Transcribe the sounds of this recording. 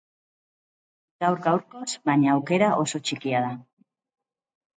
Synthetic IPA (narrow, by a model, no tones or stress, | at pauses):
ɡ̥awɾɡawɾko̞zβaɲaːwke̞ɾaʔo̞so̞t͡ʃikiað̞a